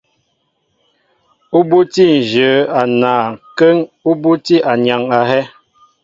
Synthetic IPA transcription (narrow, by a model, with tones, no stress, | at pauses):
u˦bu˦ti˦˨n̩˨d͡ʒə˨˦a˨naː˨kə˦ŋu˦bu˦ti˦ʔa˨ɲa˨ŋa˨ɦɛ˦